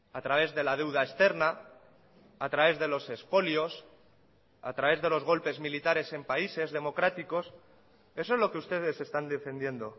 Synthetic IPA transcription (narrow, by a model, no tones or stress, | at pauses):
at̪ɾaβ̞e̞zðe̞lað̞e̞wð̞aest̪e̞ɾna | at̪ɾaβ̞e̞zðe̞lo̞se̞spo̞ljo̞s | a̰t̪ɾaβ̞e̞zðe̞lo̞zɣ̞o̞lpe̞zmilit̪aɾe̞se̞mpaise̞zðe̞mo̞kɾat̪iko̞s | e̞soezlo̞keust̪e̞ð̞e̞se̞st̪and̪e̞fe̞nd̪je̞nd̪o̞